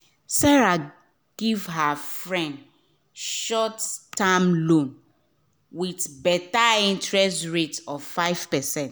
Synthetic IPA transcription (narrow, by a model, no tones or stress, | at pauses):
sɛɹa | ɡ̥ivɦafɹɛ̃nd | ʃɔttːãmlõn | wiθbɛtaĩntɹɛstɹetɔvfaɪv̥pɛsɛ̃nt